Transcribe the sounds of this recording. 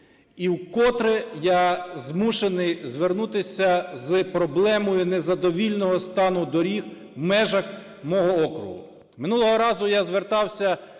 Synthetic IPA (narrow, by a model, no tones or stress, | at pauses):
iwkɔt̪ɾɪjazmuʃenɪjzʋernut̪ɪsʲɐzɨpɾɔblˠɛmɔjʊnezɐd̪ɔʋʲilʲnɔɦɔst̪ɑnʊd̪ɔɾʲix | wmɛʒɐx | mɔɦɔɔkɾʊ̰ɦʊ̰ | mɪnulˠɔɦɔɾɑzʊjazʋert̪ɑwsʲɐ